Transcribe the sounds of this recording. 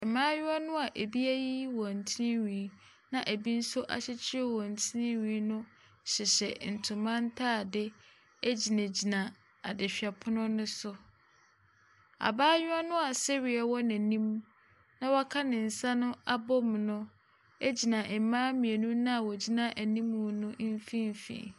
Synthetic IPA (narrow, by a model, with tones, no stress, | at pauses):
mãː˦ɲʊ˦ɔ˦nʊ̃˦a˨ʔe˨bi˦æ˦ji˦wɔ˨n̩˨tʰi˦nɪ̃˦ɲĩ˨˦ | nã˨ʔæ˨bi˦n̩˦sʊ˦ʔa̰˨ɕɪ˦t͡ɕʰɪ˦ɛ˦wɔ˨n̩˨tʰɪ˦nɪ̃˦ɥĩː˨˦nʊ̃˦ | ɕɪ˨ɕɛ˨n̩˨tʰʊ̃˨mã˦n̩˦tʰaː˦˨dɪ˦ | æ˦d͡ʑi˨næ̃˨d͡ʑi˨nã˨ | a̰˨dɪ˨ɕᶣi˨a˨pʰʊ˦nʊ̃˦nʊ̃˦sʊ˦ | a̰˨baː˦ɲᶣʊ˦a˦nʊ̃˦a˨sɛ˦ɥi˨ɛ˨wɔ˦næ̃˨nĩ˦m˦ | nã˦wɔ˦kʰa˦nɪ̃˨n̩˨sa˦nʊ̃˦a˦bɔ˦m˨nʊ̃˦ | æ˦d͡ʑi˨nã˨ʔɛ˨mãː˦mĩ˨e˨nũ˦nã˦a˨wɔ˨d͡ʑi˦nã˦ʔæ˨nĩ˦mũ˨nʊ̃˦fĩ˦m̩˨fḭ̃˨